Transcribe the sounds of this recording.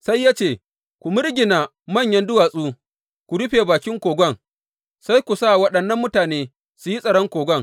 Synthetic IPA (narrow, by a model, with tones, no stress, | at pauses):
sa˦jːaː˦t͡ʃeː˨ | kʷu˨mʊ˦ɾɡʲɪ˨naː˨ | mɐ˦˨ɲjɐ˦ndʊ˦waː˨sʼuː˦ | kʷu˨ɽʊ˦ɸeː˨baː˨kʲɪ˦ŋkʷoː˨ɡʷɔ˦˨ŋ | sa˦jkʷu˨sa˦˨wɐ˦ɗɐ˨nːɐ˦mːʊ˦taː˨neː˦ | su˨ji˦sʼɐ˨ɽɔ˦ŋkʷoː˨ɡʷɐ˦˨ŋ